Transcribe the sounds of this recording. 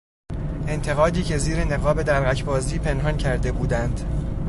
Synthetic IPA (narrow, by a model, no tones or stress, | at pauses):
e̞nt̪ʰe̞ɣɒːd̪iːcʰe̞ziːɾe̞ne̞ɣɒːbe̞d̪æɾɣæcʰbɒːziːpʰe̞nɦɒncʰæɾd̪e̞buːd̪ænd̪̥